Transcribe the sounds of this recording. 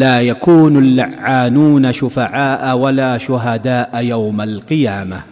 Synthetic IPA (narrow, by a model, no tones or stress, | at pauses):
laːjakuːnalːaʕːaːnuːnaʃʊfaʕaːʔawalaːʃʊɦad̪aːʔajawmalqɨjaːma̰